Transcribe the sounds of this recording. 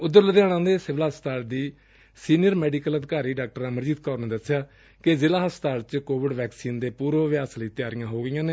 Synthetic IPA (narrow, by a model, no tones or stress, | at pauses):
ʊd̪ːəɾləd̪jaːɽ̃ãːd̪eːsɪʋəlaːst̪aːɾd̪iː | siːnɪjəɾmɛːɖiːkələd̪ɪkaːɾiːɖaːk̚ʈəɾãːməɾd͡ʒiːd̪̚kɔːɾnẽːd̪əsɪjaː | kɪzɪlaːɦəst̪aːɾt͡ʃkoːʋɪɖʋɛːksiːnd̪eːpuːɾõʋɪjaːsliːt̪ɪjaːɾɪjãːɦoːɡijãːneː